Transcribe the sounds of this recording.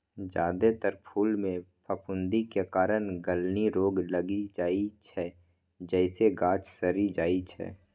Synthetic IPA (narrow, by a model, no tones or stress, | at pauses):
d͡ʒaːd̪et̪əɾpʰuːlmẽpʰəpʊ̃nd̪ikekaːɾənɡəlniɾoːɡləɡid͡ʒaːit͡ʃʰɛː | d͡ʒɛːɪseɡãːt͡ʃsəɾid͡ʒaːit͡ʃʰɛ̰ː